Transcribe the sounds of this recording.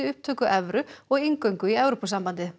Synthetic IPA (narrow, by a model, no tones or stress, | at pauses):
ɪʏhp̚t̪ʰœːkʏʔɛvɾʏɔɣiŋkœɥŋkʏiɛwɾopɔsampant̪ɪ